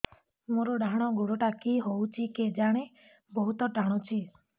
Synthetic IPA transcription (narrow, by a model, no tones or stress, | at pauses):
moɾɔɖaɦɽ̃ɔɡoɽɔʈakiɦowt͡ʃʰiked͡ʒaɽ̃e | bɔɦut̪ɔʈaɽ̃ɔt͡ʃʰi